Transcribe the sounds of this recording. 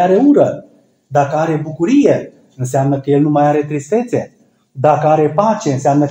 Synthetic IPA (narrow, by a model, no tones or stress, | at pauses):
aɾe̞uɾə | d̪akəaɾe̞bukuɾije̞ | ɨns̬eamnəkəje̞lnumajaɾe̞t̪ɾist̪e̞t̪se̞ | d̪akəaɾe̞pat͡ʃe̞ɨnseamnə